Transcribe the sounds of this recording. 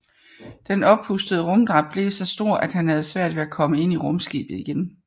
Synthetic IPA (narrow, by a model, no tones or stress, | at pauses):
d̥enɒ̽b̥husd̥əð̞̩ˠəʁɔ̽md̥ʁɑ̈b̥̚b̥le̝sɒ̽sd̥o̝ɐ̰ʔæd̥hænhæð̞̩ˠsʋæɐ̰d̥ʋe̝ækʰɒ̽məe̝n̰iʁɔ̽msɡ̥ḭːb̥ð̩ˠiɡ̥en